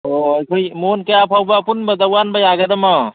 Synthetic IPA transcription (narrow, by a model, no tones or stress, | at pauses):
ojkʰɯjmonkɐjapʰawbapunbad̪awanbajaɡad̪ɐmɔ